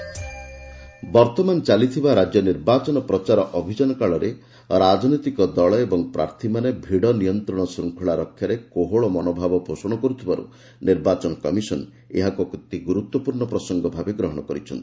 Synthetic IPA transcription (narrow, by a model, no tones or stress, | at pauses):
bɔɾt̪ɔmant͡ʃalit̪ʰibaɾad͡ʒjɔniɾbat͡ʃɔnɔpɾɔt͡ʃaɾɔʔɔbʱid͡ʒɔnɔkaɭɔɾe | ɾad͡ʒnit̪ikɔd̪ɔɭɔebɔŋpɾa̰ɾt̪ʰimanebʱiɽɔnijɔnt̪ɾɔɽ̃ɔsɾuŋkʰuɭaɾɔkʰːjaɾekoɦoɭɔmɔnobʱabɔposɔɽ̃ɔkɔɾut̪ʰibaɾṵ | niɾbat͡ʃɔnɔkɔmisɔn | ḛɦakukut̪ːiɡuɾut̪wɔpuɾɳɔpɾɔsɔŋɡɔbʱabeɡɾɔɦɔɽ̃ɔkɔɾit͡ʃʰɔ̰nt̪ii